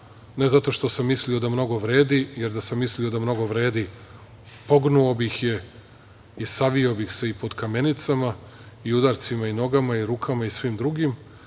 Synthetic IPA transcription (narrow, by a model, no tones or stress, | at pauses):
ne̞zat̪o̞ʃt̪o̞samːislio̞d̪amno̞ɡo̞ʋɾe̞ːd̪ije̞ɾd̪asamːislio̞d̪amno̞ɡo̞ʋɾe̞ːd̪i | po̞ɡnuobixje̞ | isaʋio̞bixse̞ipo̞d̪kame̞nit̪samaiud̪aːɾt̪simaino̞ɡamaiɾuːkʰamaisʋimd̪ɾuɡim